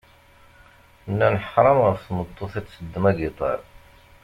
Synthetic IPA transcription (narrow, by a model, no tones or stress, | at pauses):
nːænəħɾˤɑmʁəfθmət̪ˤːoθæsəd̪ːəmæɡit̪ˤɑ̰ɾ